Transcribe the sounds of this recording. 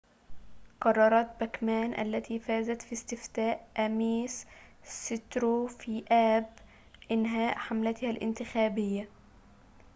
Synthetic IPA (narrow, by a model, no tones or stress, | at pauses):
qɑrˤːɑɾˤɑːt̪̚bækmæːnʔa̰lːæt̪ʰiːfaːzæt̪fist̪ɪft̪aːʔʔæmiːssɪt̪ɾofiːʔæːb | ʔɪnɦaːʔħamlat̪ɪhælʔɪ̰nt̪ɪxæːbɪjːa